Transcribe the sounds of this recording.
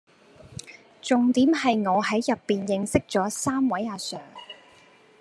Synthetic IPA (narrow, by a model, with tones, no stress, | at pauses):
t͡sʊ˨ŋt̪iː˨˥mɦɐ˨jŋɔː˨˧ɦɐ˨˥jːɐ˨pːiː˨njɪ˨ŋsɪ˥k̚t͡sɔː˨˥saː˥mwɐ˨˥jaː˨˧sœː˨˩ŋ